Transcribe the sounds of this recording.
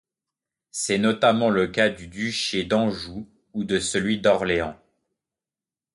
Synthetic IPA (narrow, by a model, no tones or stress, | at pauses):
sɛnɔt̪amɑ̃ləkad̪yd̪yʃed̪ɑ̃ʒuː | d̪əsəlɥid̪ɔʁleɑ̃